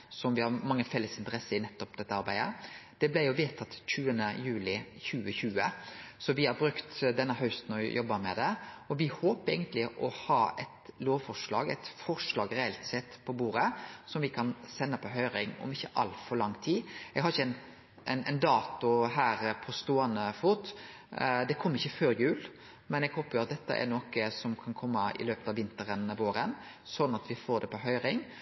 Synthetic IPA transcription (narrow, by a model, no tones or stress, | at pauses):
sɔmʋɪhɑɾmɑŋːəfɛlːəsɪnt̪əɾɛsːəɾɪnɛt̪ːɔpd̪ɛt̪ːəɑɾbæɪd̪əd̪̥ɛblæɪjʊʋeːt̪ʰɑt̪ɕʉːənəjʉːlɪçʉːəçʉːəsɔʋɪæɾbɾʉkt̪d̪ɛnːəɦœʉst̪n̩ɔjɔbːəmɛ̰d̪ɛɔʋɪhoːpəɾeɪɡənt̪lɪʔɔhɑːɛt̪loːʋfɔʂlɑːɡɛ̰t̪fɔɾʂlɑːɡɾɛɛlt̪sɛt̪ːpʰɔbuːɾəsɔmʋɪkʰɑnsɛnːəpʰɔɦœʏɾɪŋɔ̰mɪçːəʔɑ̰lfɔɾɭɑŋːt̪ʰiːɛɡhɑɾɪçːɛn | nɛnd̪ɑːt̪ʊɦæːɾpʰɔst̪uːɑnəfʊt̪ | d̪ɛkʰɔmːɪçːəføːɾjʉːl | mɛnɛɡhoːpəjʊɑt̪̚d̪ɛt̪ːə̰ʔɛ̰noːkəsɔmkʰɑnkʰɔmːəɪ̰løːpət̪ɑʋɪnt̪əɾənʋoːɾən | sɔd̪nɑt̪ʋɪfoːɾɖ̪ɛpɔɦœʏɾɪŋ